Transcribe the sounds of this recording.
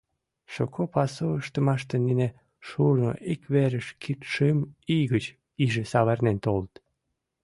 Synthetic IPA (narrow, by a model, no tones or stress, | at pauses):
ʃokʰopɑsoəʃt̪əmɑʃt̪enine | ʃurno̰ʔikβeɾəʃkʰit̪ʃəmiɣət͡ɕ | iʒesɑβernent̪olt̪